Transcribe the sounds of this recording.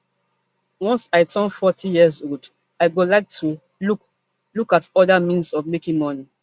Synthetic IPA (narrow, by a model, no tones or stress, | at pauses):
wɔ̃nsaɪtʰɔ̃nfɔtʰĩjizod | aɪɡolaɪk̚tʰu | luk | lukatɔdamĩnsɔvmekĩŋmɔni